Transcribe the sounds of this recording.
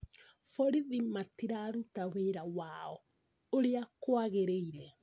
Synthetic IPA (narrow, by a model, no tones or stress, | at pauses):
fɔɾiðimatiɾaɾutaweɾawaɔ | oɾeakwaɣeɾeiɾɛ